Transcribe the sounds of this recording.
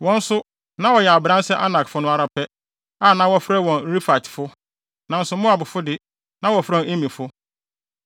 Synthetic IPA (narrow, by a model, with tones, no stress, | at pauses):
wɔ̃˦n̩˦sʊ˦ | nã˦wɔ˨jɛ˨a˨bɾã˦n˦sɛ˦ʔa˦nã˨kfʊ˦nʊ̃˦a˦ɾa˨pʰɛ˦ | a˦˨nã˨˦wɔ˦fɾɛ˦˨wɔ̃˨nɾi˦fa˨tɪ̥˨fʊ˦ | nã˨n̩˦sʊ˨mʊ̃˦a˨bʊ˨fʊ˦dɪ˦ | nã˦wɔ˨fɾa˦˨˦e˦mĩ˨fʊ˦